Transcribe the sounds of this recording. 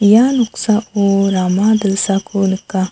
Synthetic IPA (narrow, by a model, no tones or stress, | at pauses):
januqsaʔoɾamad̪əsakʰolɨkːa